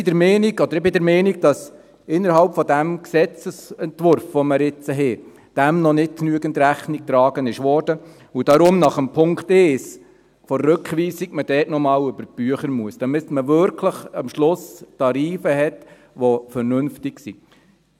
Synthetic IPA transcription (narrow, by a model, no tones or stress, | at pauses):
ɪdɛɾmɛːniɡɔd̥̪əɾɪbɪdɛɾmɛːniɡ̚d̥ɑs | ɪnːəɾhɑlpfɔdæmksɛt͡səsɛntʋʊɾfʋɔməɾɪt͡səɦe | d̥æmnɔnɪt̚knyəɡəntɾæχnik̚t̪ɾɑːɡ̥ənɪʃʋɔːɾd̥ə | ud̥ɑɾʊmnɑχəmpʰʊŋkteːs | fɔrːɵkχʋiːsiɡ̥məd̥ɛːtnɔmɑːlʏbəɾb̥yəχəɾmuəsd̥ɑmɪsməʋʏɾkʰləχɑmʃlʊstɑɾiːfəɦɛt | ʋofəɾnʏnftɪksḭ